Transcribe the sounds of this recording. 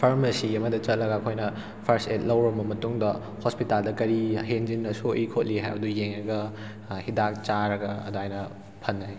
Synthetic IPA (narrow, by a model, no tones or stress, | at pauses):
pʰɐɾmɐsiɐmɐdɐt͡ʃɐt̚lɐɡɐɐkʰojnɐ | pʰɐɾstet̚lɐwɾɐmbɐmɐtuŋdɐ | hospitaldɐkɐɾiɦend͡ʒinːɐsoʔikʰot̚liɦa̰jbɐdujeŋɾɐɡɐ | hidak̚t͡ʃaɾɐɡɐɐduajnɐ | pʰɐnːɐj